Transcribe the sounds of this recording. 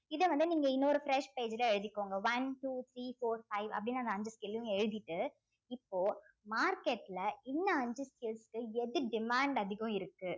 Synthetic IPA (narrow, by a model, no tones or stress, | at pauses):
ɪðɐʋɐnd̪ɯniːŋɡɐɪnːoːɾɯfɪɾɛʂpeːd͡ʒɪlɐɛɻɯðɪkːoːŋɡɐʋɐnʈuːt̪ʰɾiːfoːɾfɐɪʋɐ̰pːɐɽɪnːaɐnd̪ɐɲd͡ʒɯskɪljʊ̃ɛɻɯðɪʈːɯ | ɪpːoː | maːɾkeʈːɪlɐɪnːɐɐɲd͡ʒɯskɪlskːɯɛðɯɖɪmaːɳɖɐðɪɣɐ̃ɪɾɯkːɯ